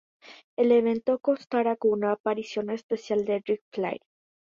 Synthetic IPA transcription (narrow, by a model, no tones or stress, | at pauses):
eleβe̞nt̪okonst̪aɾakunaːpaɾisjo̞nespesjald̪eɾik̚fla̰j